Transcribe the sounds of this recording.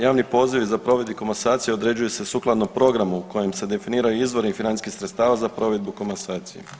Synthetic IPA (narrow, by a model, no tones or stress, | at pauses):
jaːʋnipo̞ːziʋizapɾo̞ʋe̞d̪biko̞masaːt̪sije̞o̞d̪ɾe̞d͡ʒujuse̞suklˠad̪nopɾo̞ɡɾamuuko̞jemse̞d̪e̞finiːɾajuizʋo̞ɾeifinankixsɾet̪st̪aːʋazapɾo̞ːʋe̞d̪̚bukomansaːt̪sijḛ